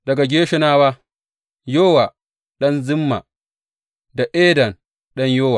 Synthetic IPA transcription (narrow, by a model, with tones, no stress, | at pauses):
d̥ɐ˨ɡa˨ɡʲeː˦ʃɪ˦naː˦waː˦ | joː˦wa˨ | ɗɐ˦nzɪ˦mːa̰˨ | da˨ʔeː˦dɐ˨n | ɗɐ˦ɲjoː˦wa˨